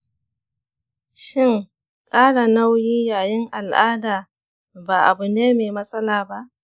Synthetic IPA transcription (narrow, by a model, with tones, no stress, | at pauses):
ʃɪ˦ŋ | kʼaː˦ɽa˨na˦wjiː˦jaː˨jɪ˦ŋʔa˨lʔaː˦daː˨ | baː˨ʔa˨bʊ˨neː˦meː˨mɐ˦sʼɐ˦laː˨ba˦ʔ